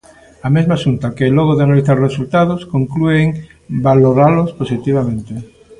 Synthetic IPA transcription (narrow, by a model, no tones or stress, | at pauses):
amezmasunt̪akeːloɣ̞ɾoðeanaliθaɾresult̪aðoskoŋklueŋ | baloɾalosposit̪iβ̞amẽnt̪e